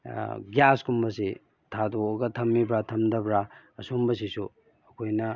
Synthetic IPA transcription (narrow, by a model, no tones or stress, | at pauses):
ɡjaskumbɐsi | tʰadooɡɐtʰɐmːibɾatʰɐmdɐbɾaɐsumbɐs̬isu | ɐkʰojnɐ